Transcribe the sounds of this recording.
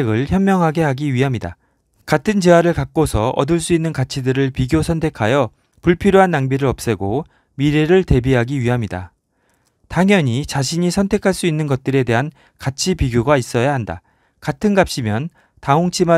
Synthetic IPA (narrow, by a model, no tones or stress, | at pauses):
ɡɯɭçjʌmːjʌŋɦaɡe̞ɦaɡiɥiɦamɲida̰ | katʰɯnd͡ʑe̞waɾɯɭkak̚k͈osʰʌʌ̰dɯɭs̬͈uinːɯnkat͡ɕʰidɯɾɯɭpiɡjosʰʌntʰe̞kʰajʌ | puɭpʰiɾjoɦanːaŋbiɾɯɾʌp̚s͈e̞ɡo | miɾe̞ɾɯɭte̞biɦaɡiɥiɦamɲida̰ | taŋjʌɲit͡ɕaɕʰiɲisʰʌntʰe̞kʰaɭs͈uinːɯnɡʌt̚t͈ɯɾe̞de̞ɦan | kat͡ɕʰipiɡjoɡais͈ʌjaɦanda̰ | katʰɯnɡap̚ɕ͈imjʌn | taoŋt͡ɕʰima